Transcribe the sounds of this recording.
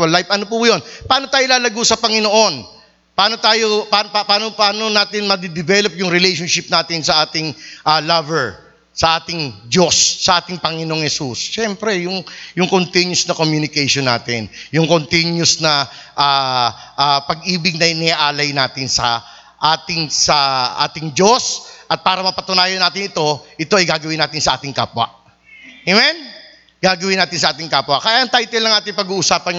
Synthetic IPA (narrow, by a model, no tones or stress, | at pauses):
wɐlːajfʔɐnop̬ʊjonpaːno̞t̪aːjolaːlɐɡusɐpɐŋɪnoʔo̞n | paːno̞t̪aːjopanpapaːnopaːnonaːt̪ɪnmɐd̪ɪd̪ɪvɛlopjʊŋɾɪlejʃonʃɪp̚naːt̪ɪnsɐʔaːt̪ɪŋʔalɐvɛɹ | sɐʔaːt̪ɪŋd͡ʒo̞sːɐʔaːt̪ɪŋpɐŋɪnoŋhɛsusʃɛmpɾɛjʊŋjʊŋkont̪injʊsnɐkomjunɪkɛjʃonːa̰ːt̪ɪnjʊŋkont̪injʊsnɐ | ʔaː | ʔaːpɐɡʔiːbɪɡ̚nɐjnɪaʔaːlɐjnaːt̪ɪnsɐ̰ | ʔaːt̪ɪŋsɐʔa̰ːt̪ɪŋd͡ʒo̞sʔɐt̪̚paːɾɐmɐpɐt̪ʊnaːjɐnaːt̪ɪnɪt̪o̞ʔɪt̪o̞ɐjɡaːɡɐwɪnːaːt̪ɪnsɐʔaːt̪ɪŋka̰ːpwɐ̰ʔ | emɛn | ɡ̥aːɡɐwɪnaːt̪ɪnsɐʔaːt̪ɪŋkaːpwɐkɐjaːʔɐŋt̪ajt̪ɛlnːɐŋʔaːt̪ɪŋpɐɡuːʔʊsaːpɐn